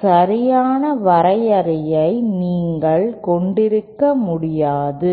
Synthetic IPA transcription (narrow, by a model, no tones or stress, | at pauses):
sɐɾɪjaːnɐʋɐɾɐjɐɾɪjɐɪniːŋɡɐɭkɔɳɖɪɾɯkːɐmʊɽɪjaːðɯ